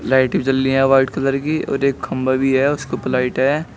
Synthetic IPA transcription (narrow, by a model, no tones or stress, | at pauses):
laːɪʈibt͡ʃəlːiɛ̃ʋaːʈkɐd̪əɾkiʔɔ̰ːɾeːkhɐ̃mbabʱiɦɛʊskopɪlaːɪʈɦɛ